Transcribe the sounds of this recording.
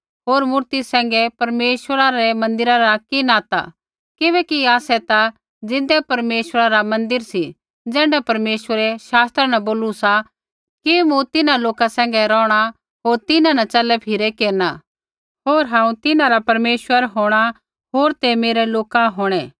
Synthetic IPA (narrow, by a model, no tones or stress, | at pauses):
ɦoːɾmʊɾt̪isɛ̃ːŋɡɛpɐɾmeːʃwəɾaɾɛmɐ̃nd̪ɪɾaɾakinaːt̪a̰ | kɪβɛːkiaːsɛt̪a | d͡zɪ̃d̪ɛpɐɾmeːʃwəɾaɾamɐ̃nd̪ɪɾsi | d͡zɛ̃ːɳɖapɐɾmeːʃwəɾɛʃaːst̪ɾanɐboːlusa | kimũt̪ɪnãloːkasɛ̃ːŋ̆ɡɛɾɔːɽ̃a | ɦoːɾt̪ɪnãnɐt͡ʃɐlɛpʰɪɾɛkeːɾna | ɦoːɾɦãːũt̪ɪnãɾapɐɾmeːʃwəɾɦoːɽ̃a | ɦoːɾt̪emeːɾɛloːkãɦoːɽ̃ɛː